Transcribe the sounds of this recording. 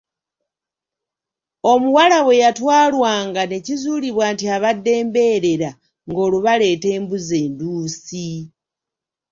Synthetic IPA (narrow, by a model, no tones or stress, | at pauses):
o̞muwalaβwe̞jatwaːlwaːŋɡane̞cizuːliβwaːntiaβadːe̞ːmbe̞ɾe̞ɾa | ŋɡo̞ːluβale̞ːte̞ːmbuze̞ːnduːsi